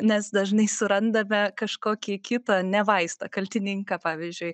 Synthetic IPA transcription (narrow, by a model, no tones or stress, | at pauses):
nʲɛsd̪ɐʒnɐɪsʊɾɐnd̪ɐmʲɛkɐʃkoːkʲiːkʲɪt̪ɐnʲɛʋɐɪst̪ɐkɐlʲt̪ʲɪnʲɪŋkɑpɑːʋʲizʲd͡ʒʲʊɪ